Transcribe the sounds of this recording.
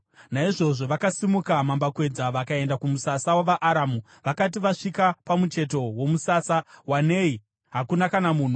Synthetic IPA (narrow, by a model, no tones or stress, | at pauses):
naiʐo̞ʐo̞ʋakasimukamambakwe̞d͡zaʋakae̞ndakumusasawaʋaʔaɾamu | ʋakat̬iʋaʂikapamut͡ʃe̞t̬o̞womusaːsawaneːi | ɦakunakanamuːn̤u